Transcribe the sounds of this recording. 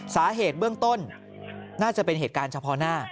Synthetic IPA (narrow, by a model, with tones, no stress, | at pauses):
saː˩˦ɦeː˨˩t̪̚bɯ˥˩əŋt̪o˥˩n | naː˥˩t͡ɕa˨˩pe˧nɦeː˨˩kaː˧nt͡ɕʰa˧pʰɔ˧naː˥˩